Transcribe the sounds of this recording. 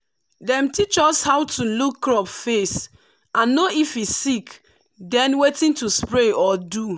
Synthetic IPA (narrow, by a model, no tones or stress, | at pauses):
dɛ̃mtit͡ʃɔshawtʰulukːɹɔpfes | ãnːoifisik | dɛ̃nwetĩntuspɹeɔdu